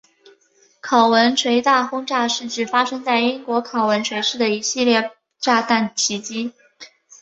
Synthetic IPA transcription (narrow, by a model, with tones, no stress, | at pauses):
kʰɑ˨˩ʊwə˧˥nʈ͡ʂʰwe˧˥ɪt̪a˥˩xʊ˥ŋʈ͡ʂa˥˧ʂɻ̩˥˩ʈ͡ʂɻ̩˥˩fa˥ʂɤ˥ŋt͡sa˥˩ɪi˥ŋkwɔ˧˥kʰɑ˨˩ʊwə˧˥nʈ͡ʂʰwe˧˥ɪʂɻ̩˥˩d̪ə˩i˧˥ɕi˥˧ljɛ˥˩ | ʈ͡ʂa˥˧t̪a˥˩nt͡ɕʰi˧˥t͡ɕi˥